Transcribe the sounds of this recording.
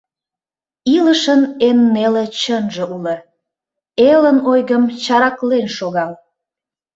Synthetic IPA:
iləʃənenːelet͡ɕənʒĕʔulə | elənojɣəmt͡ɕɑɾɑklenʃoɣɑl

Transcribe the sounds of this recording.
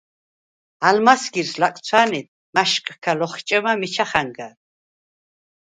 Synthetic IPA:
almasɡiɾslak̪ʼt͡sʰwaːnid̪̚ | maʃkʼkʰalɔχt͡ʃʼɛmamit͡ʃʰaχaŋɡa

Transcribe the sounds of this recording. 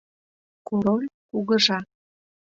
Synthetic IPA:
kuɾolʲkuɣəʒɑ

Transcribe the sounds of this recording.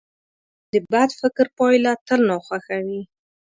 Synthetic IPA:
d̪əbad̪fɪkɾpɑjlat̪əlnɑxwaxawi

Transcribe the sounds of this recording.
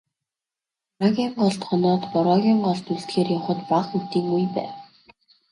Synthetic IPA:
ɾaɣʲiɴɢɔɮt̪χɔnɔːt̪pɔɾɔɣʲiɴɢɔɮt̪uɮt̪xeːrjawχə̆t̪paχxut̪iːŋujpæ̰ːw

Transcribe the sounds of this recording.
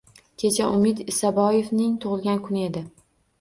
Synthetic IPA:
kʲʰe̞t͡ʃʰaʔʊmɪd̪ɪsabɒjevnɪŋt̪ʰʊʁɨlˠɡʲankʰʊnɪe̞d̪ɪ

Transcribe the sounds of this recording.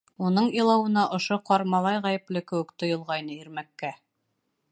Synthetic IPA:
unɤɴilˠɑwɤ̆nɑʔŏʃoqɑɾmɑlˠɑjʁæjɘ̆plɘkɘ̆wɘkt̪ŏjɤ̆lˠʁɑjnɤiɾmækːæ

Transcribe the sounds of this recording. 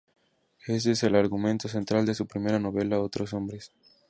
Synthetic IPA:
es̬eeselaɾɣument̪o̞s̬e̞nt̪ɾald̪e̞supɾime̞ɾano̞βe̞laot̪ɾoso̞mbɾes

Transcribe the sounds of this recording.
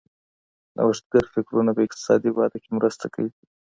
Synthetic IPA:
nʔa̰waʂt̪̚ɡaɾfɪkɾunapəɪq̚t̪ɪ̥sɑ̰d̪ibɑd̪akemɾəst̪akawi

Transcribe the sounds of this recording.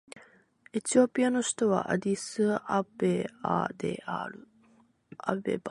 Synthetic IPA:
e̞t͡ɕio̞pʲiano̞ɕi̥t̪o̞β̞a̰ʔa̰d̪ʲisɨabea̰d̪e̞̰a̰ɾɯ̟ | a̰bḛba

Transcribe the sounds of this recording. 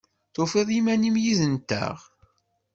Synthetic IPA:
θofeðˤimænimjiðənt̪ːæ̰ʁ

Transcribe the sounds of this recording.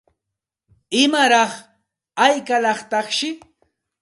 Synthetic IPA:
ɪmaɾɑχ | ajkalɑχt̪ɑχʃɪ

